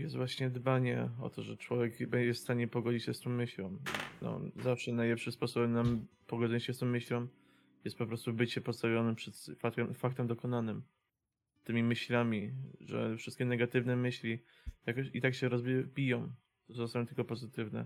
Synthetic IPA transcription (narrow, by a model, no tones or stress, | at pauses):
jɛst̪vwaɕɲɛd̪baɲɛ̰ɔ̰t̪ɔʐɛt͡ʂwɔvʲjɛkbɛɲd͡ʑɛfst̪aɲɛpɔɡɔd͡ʑit͡ɕɕɛst̪ɔmːɘɕlɔ̃mnɔ̰zafʂɛnajlɛpʂɘmspɔsɔbɛmnampɔɡɔzɔt͡ɕɕɛst̪ɔmːɘɕlɔm | jɛst̪̚pɔpɾɔst̪ubɘt͡ɕɛpɔst̪avʲjɔnɛpʂɛt̪faɛmfak̚t̪ɛmd̪ɔkɔnanɘm | t̪ɘmʲimɘɕlamʲiʐɛ̰fʂɘst̪̚kʲɛnɛɡat̪ɘvnɛmɘɕlʲi | jakɔɕit̪akɕɛɾɔzbʲbʲijɔ̃m | t̪ɔssamnt̪ɘlkɔpɔzɘt̪ɘvnɛ̰